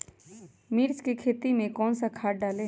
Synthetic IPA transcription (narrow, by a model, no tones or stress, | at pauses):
miːɾt͡ʃkikʰeːt̪imẽkɔːnsakʰaːʈ̚ɖaːle